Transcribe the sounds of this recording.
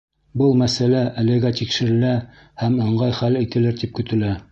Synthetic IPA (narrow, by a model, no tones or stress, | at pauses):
bɤlˠmæsælæʔælɘ̆ɡæt̪ikʃɘ̆ɾɘ̆læ | hæmɤ̆ɴɢɑjχælit̪ɘ̆lɘɾt̪ip̚kɵ̆t̪ɘ̆læ